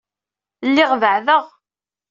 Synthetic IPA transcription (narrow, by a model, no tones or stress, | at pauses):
lːɪʁvəʕðəʁ